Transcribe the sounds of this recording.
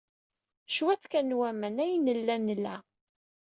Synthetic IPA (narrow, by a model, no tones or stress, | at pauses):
ʃwæt͡sːkænwæmænæjnəlːænːəlːæ